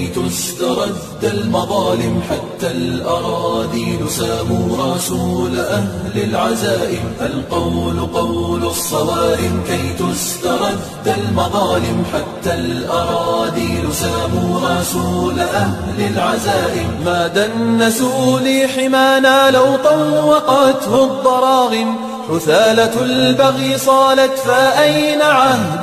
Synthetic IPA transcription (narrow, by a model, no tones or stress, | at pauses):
t̪ʊst̪ɑɾˤɑd̪ːalmɑðˤɑːlɪmħat̪ːalʔɑɾˤɑːd̪iːnʊsaːmuːɾˤɑsuːlaʔahlalʕazaːʔɪmʔalqɑwlqɑwlsˤːɑwɑːɾɪmkajt̪ʊst̪ɑɾˤɑd̪ːalmɑðˤɑːlɪmħat̪ːalʔɑɾˤɑːd̪iːnʊsaːmuːsuːlaʔahlalʕazaːʔɪbmaːd̪anːasuːliːħɪmaːnaːlawt̪ˤanwɑqɑːt̪hʊd̪ˤːɑɾˤɑːɣɪm | ħʊθaːlalbaɣiːsˤɑːlat̪faʔajnaʕahd̪